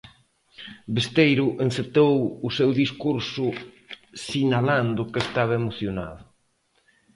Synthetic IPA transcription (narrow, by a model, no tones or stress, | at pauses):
best̪ejɾʊʔenset̪owʊsewðiskuɾsʊ | sinaland̪ʊkest̪aβ̞aemoθjona̰ðʊ